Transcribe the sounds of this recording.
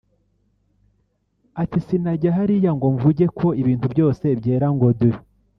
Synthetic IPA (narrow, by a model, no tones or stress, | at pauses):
atisinaɟaɦaɾijaŋɡoɱvuɟe̞kʰo̞iβiːntubɟo̞ːse̞bɟe̞ːɾaŋɡoduɾi